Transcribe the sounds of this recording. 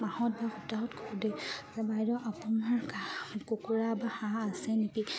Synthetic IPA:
mahɔt̚baxutaɦɔtkʰɔdezɛbajɹɔʔapunaɹkakokuɹabaxãːsɛnepi

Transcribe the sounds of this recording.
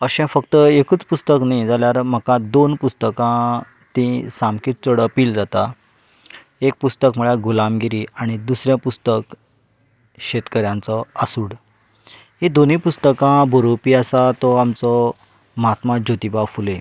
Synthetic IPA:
əɕɛ̃fəkt̪əekut͡spust̪əknajd͡zaljaɾm̤əkãd̪onpust̪əkã | t̪ĩsamkiːt̪̚t͡soɽəpiːld͡zat̪a | ek̚pust̪əkmuɭjaɡulamɡiɾiaɽ̃id̪usɾjãpust̪ək | ɕet̪kəɾjãnt͡sɔasuːɽ | ɦĩd̪onĩpust̪əkãboɾopiːasat̪ɔamt͡sɔ | mɦat̪mad͡ʑot̪ibafule

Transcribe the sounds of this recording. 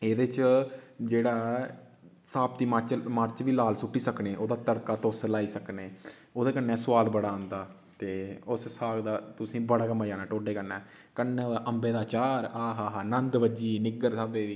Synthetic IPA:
eːd̪et͡ʃd͡ʒeːɽaː | saːpt̪iːmət͡ʃməɾt͡ʃʋiːlaːlsʊʈːiːsəkneːʔoːd̪aːt̪əɾkaːt̪oʊslaːiːsəkneːoːd̪eːkənːɛ̃ːsʊʋaːlbəɽaːə̃ːnd̪aː | t̪eːʊssaːɡd̪aːt̪ʊsĩːbəɽaːkəmːaːd͡ʒãːnaːʈoːɖeːkəɾnɛː | kənːẽːoːd̪aːʔəmbeːd̪aːt͡ʃaːɾaːɦaːɦaːnənd̪ʋəd͡ʒiːnɪɡəɾsaːbeːd̪iː

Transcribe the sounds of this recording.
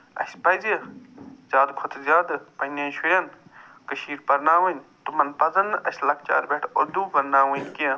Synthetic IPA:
ɐ̰sʲpɐze | zʲaːd̪kʰot̪ʰɨzʲaːd̪ɨpɐnʲɐːʃʰujɐn | kɐʃiːɾpɐɾnaːʋɐnʲt̪umɐnpɐzɐnːɨʔɐsʲlɐk̚t͡ʃa̰ːɾbʲeʈʰoɾd̪uːpɐɾnaːʋɐnʲkiɐ̃

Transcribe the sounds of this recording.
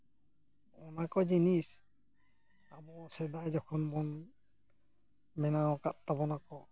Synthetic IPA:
ɔnakɔd͡ʒinis | abɔsɛd̪ajd͡ʒɔkʰɔnbɔn | mɛnawɔkat̚t̪abɔnakɔ

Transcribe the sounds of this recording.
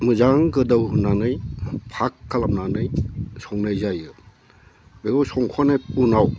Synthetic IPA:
mɯzaŋɡɯdawɦunanɯjpʰakːalamnanɯjsɔŋnɯjzajɯ | beɡɔsɔŋkʰwanɯjpunaw

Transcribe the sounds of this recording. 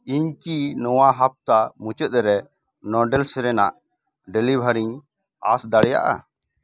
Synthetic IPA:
iɲkinɔwaɦap̚t̪amut͡ʃət̪̚ˀɾɛ | nɔɖɛlsɾɛnaʔ | ɖɛlibʱaɾiɲ | a̰sd̪aɽɛja̰ʔa̰

